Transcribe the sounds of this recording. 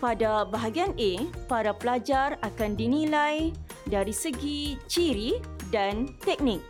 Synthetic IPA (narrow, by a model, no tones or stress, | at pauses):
padabaɦaɡianepaɾapəlad͡ʒarakandinĩlaj | daɾisəɡit͡ʃiɾidant̪ɛk̚nɪ̃k̚